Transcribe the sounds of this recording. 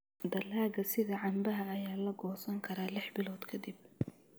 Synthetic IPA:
d̪ɐlaːɣɐsɪðɐʕɑmbɐɦɐːjaːlɐɡɔːsɐŋkʰɐɾaːlɪħbɪlɔːd̪kʰɐd̪ɪb̚

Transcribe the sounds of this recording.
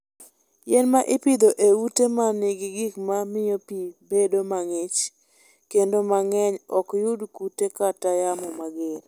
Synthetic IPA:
jɛnmaʔɪpid̪oʔewutemanɪɡɪɡikmamɪjopibedomaŋɪt͡ʃ | kendomaŋɛɲɔkjʊdkutekatajamɔmaɡeɾ

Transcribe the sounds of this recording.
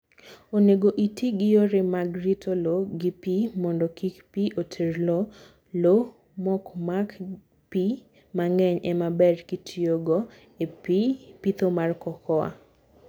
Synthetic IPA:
oneɡoʔitʰiɡɪjoɾɪmaɡɾitʰoloɡɪpimɔndɔkikpiʔotʰerlo | lo | mɔkmak | pi | maŋɛɲɛmabɛdkitʰioɡɔ | epipit̪omarkɔkʰɔa̰

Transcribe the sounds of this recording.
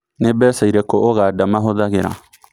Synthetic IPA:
nebɛsaiɾekooɣadamãɦoðaɡeɾa̰

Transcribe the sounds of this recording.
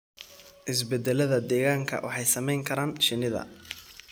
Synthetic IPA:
ʔɪs̬bɛd̪ɛlɐðɐd̪ɛːɣaːŋkʰɐ̰wʔɑ̰ħɑjsɐmɛjŋkʰɐɾaːnʃɪnɪðɐ̰

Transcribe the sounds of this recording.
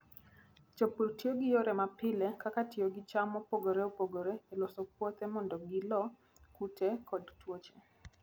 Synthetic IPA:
t͡ʃɔputioɡɪjoɾɛmapɪlɛkakatioɡɪt͡ʃamɔpoɡoɾɛopoɡoɾɛelɔsɔk̚wot̪ɛmɔndɔɡɪlɔ | kutɛkɔdtwot͡ʃe̥

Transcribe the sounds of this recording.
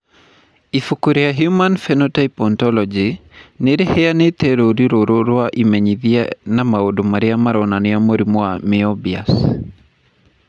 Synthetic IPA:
ifukuɾeaɦjumanfɛnɔtaipɔntɔlɔd͡ʒineɾehɛanet̪eɾoɾiɾoɾoɾwaʔimɛɲiðianamaodomaɾɪamaɾɔnanɪamoɾimwamɪɔbia̰s

